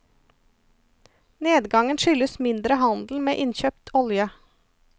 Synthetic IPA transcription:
neːd̪ɡɑŋənʃʏləsmɪnd̪ɾəhɑnd̪l̩meːʔɪnçøːpt̪ʰɔljə

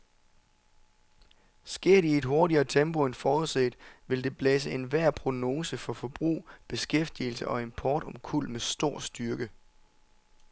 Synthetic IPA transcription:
sɡ̥e̝ɐ̰ɾ̥ie̝d̥ɦo̝ɐɾiɐːt͡sʰemb̥o̝enfɒːuð̰ˠsḛːd̥ʋe̝ld̥e̝b̥lɛs̬əe̝nʋæɐ̰pʰʁo̝no̝ːsəfɒ̽fɒ̽b̥ʁṵːb̥e̝sɡ̥efd̥ilsəʔɒ̽e̝mpʰɒːd̥ɒ̽mkʰul̰mesd̥o̝ɐ̰sd̥yɐɡ̥ə

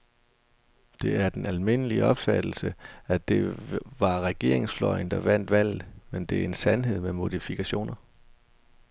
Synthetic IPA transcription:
d̥e̝æɐd̥enælme̝nəliəɒ̽b̥fæd̥l̩səæd̥e̝ʋɑ̈ʁɛɡ̥e̝ɐeŋsflɒ̽ɪnd̥ɑ̈ʋæn̰d̥ʋæl̰ð̩ˠmend̥e̝æɐe̝nsænɦe̝ð̞̰ˠmemo̝ðˠifikʰæɕo̝̰ːnɐ

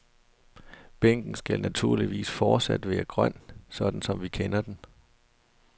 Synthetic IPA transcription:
b̥eŋ̰ɡ̥n̩sɡ̥ælnæt͡sʰuɐ̰liʋḭːsfɒːd̥sæd̥ʋæːɐɡ̥ʁɶn̰sɒ̽d̥n̩sɒ̽mʋikʰenɐd̥en

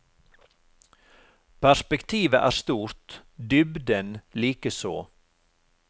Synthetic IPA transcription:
pʰæʂpɛkt̪ʰiːʋəʔæ̰ːɾʂt̪uːɾt̪d̪ʏbd̪ənliːkəso̰ː

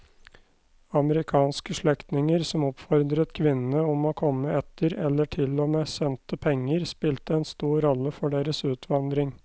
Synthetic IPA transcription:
ɑməɾɪkʰɑːnskəʂɭɛkt̪nɪŋəɾsɔmɔpfɔɾd̪ɾət̪kʰʋɪnənəɔmoːkʰɔmːəɛt̪ʰəɾɛlːəʈʰɪlɔmeːsɛnt̪əpʰɛŋːəɾspɪlt̪əɛːnst̪uːɾɔlːəfɔɖeːɾəsʉːt̪ʰʋɑnd̪ɾɪŋ

